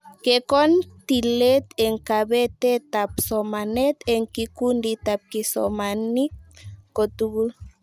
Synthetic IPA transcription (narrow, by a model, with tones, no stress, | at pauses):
kekɔ˦nt̪ile˦t̪e˨ŋkabe˦t̪e˦t̪apsɔma˨nɛ˦t̪eŋkiku˦ndit̪ap̚ki˨sɔ̰mani˦ko˨t̪uɡu˦l